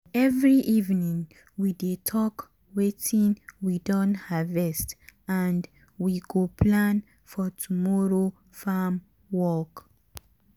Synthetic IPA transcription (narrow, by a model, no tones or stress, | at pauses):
ɛvɹiʔivnĩŋ | widetʰɔk | wetĩnwidɔ̃nhavɛstãnd | wiɡopʰlãn | fɔtʰumɔɹo | fam | wɔk